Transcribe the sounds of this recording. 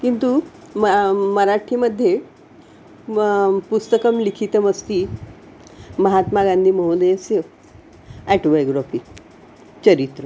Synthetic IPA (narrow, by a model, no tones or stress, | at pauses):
kint̪u | mməɾaʈʰiməd̪ʱːje | pust̪əkəmlikʰit̪əməst̪iː | məɦat̪maɡand̪ʱiːməɦod̪əjəsjo | ɛʈʋəjɡɾofi | t͡ɕəɾit̪ɾə